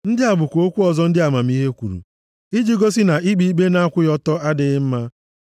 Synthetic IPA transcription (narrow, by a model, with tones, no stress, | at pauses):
n̩˦dɪ˦a˨bʊ˨kʷo˦kʷu˦ɔ˨zɔ˦n̩˦dɪ˦a˨ma˨m̩˦i˦ɦe˦kʷṵ˨ɾṵ˨ | i˦d͡ʒi˦ɡo˦s̬ɪ˦na˨i˦ɡ͡bi˦ɡ͡be˦na˦a˦kʷʊ˦jɔ˦tɔ˦a˦dɪ˨˦m̩˦ma˦